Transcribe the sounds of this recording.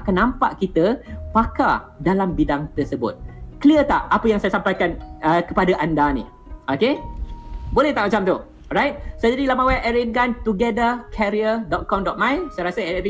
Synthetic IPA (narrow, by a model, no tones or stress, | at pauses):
akanːãmpaʔkit̪əpakadalambidaŋt̪əsəbʊ̰t̪̚kəliət̪aʔapəjaŋsajasampajkanəkəpadaʔandanḭ | oke | bolɛht̪aʔmat͡ʃamt̪u | ɔɾajt̪̚sod͡ʒadilamawɛʔəɾinkant̪uɡɛdəkʰɛɾiədɔt̪̚kɔmdɔt̪̚mãjsajɾasəɛpi